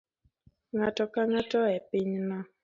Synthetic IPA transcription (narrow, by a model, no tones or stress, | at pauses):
ŋatɔkaŋatɔɛpɪɲna